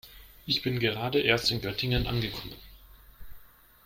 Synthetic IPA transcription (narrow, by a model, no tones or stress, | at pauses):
ʔɪçb̥ɪnɡəʁ̞aːdəʔeːɐstɪnɡœtʰɪŋənʔa̰nɡəkʰɔmən